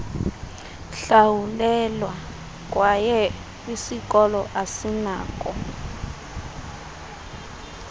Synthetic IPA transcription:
ɬawulɛlwa | k̬ʼwajɛ | isik̬ʼɔlɔʔasinaːk̬ʼɔ

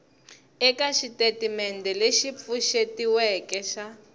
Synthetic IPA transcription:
ɛkaʃitetimɛndɛleʃip̪fuʃetiwɛkɛʃa

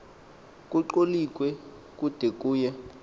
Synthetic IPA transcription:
kʼuǃolik̬ʼwɛ | kʼud̥ʱekʼuːjɛ

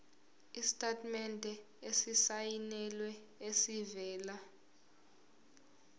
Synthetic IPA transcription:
isi̥tʼatʼmɛndʱʼɛ | esisajinɛlwɛ | esivɛːla

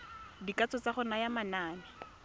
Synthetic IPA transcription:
dikat͡sɔt͡saχʊnajamanaːnɪ

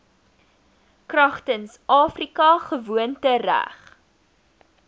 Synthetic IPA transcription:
krɐχtənsʔɑːfrikɐχəvuəntəɾæ̰χ

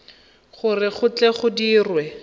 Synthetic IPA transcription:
χʊrɪχʊt͡ɬɛχʊdiːrwɛ

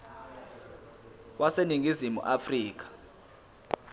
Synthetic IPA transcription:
wʔaseniŋʱizimṵʔafriːk̬ḁ

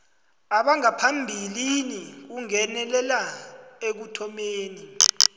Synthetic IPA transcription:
aɓaŋapʰambʱilinik̬uŋɛnɛlɛlaek̬utʰɔmeːni

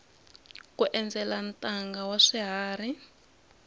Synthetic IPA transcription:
kuʔɛnd͡zɛlantʼaŋɡawaʂiɦaːri

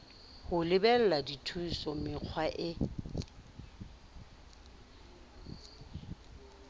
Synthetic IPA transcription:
hʊlɪbɛl̩laditʰusɔmɪq͡χʰwaʔɪ

